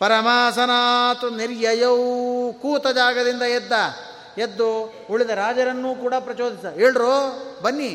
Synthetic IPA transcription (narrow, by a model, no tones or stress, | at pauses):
pɐɾɐmaːsɐnaːt̪uniɾjɐjɐwkuːt̪ɐd͡ʒaːɡɐd̪ind̪ɐed̪ːɐ | ed̪ːu | uɭid̪ɐɾaːd͡ʒɐɾɐnːuːkuːɽɐpɾɐt͡ʃoːd̪isɐɦeːɭɾoːbɐnːi